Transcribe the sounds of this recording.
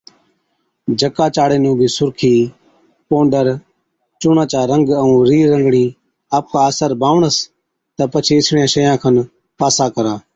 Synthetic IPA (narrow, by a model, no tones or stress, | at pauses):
d͡ʒəkaːt͡ʃaːɽeːnũːbʱiːsʊɾkʰiː | põːɳɖəɾ | t͡ʃʊɳãːt͡ʃaːɾəŋɡəũːɾiːɾːəŋɡɳiː | aːp̚kʰaːəsəɾbʱaːʋɳəs | t̪əpət͡ʃʰeːɪt͡ʃʰɳjãːʃəjãːkʰən | paːsaːkəɾãː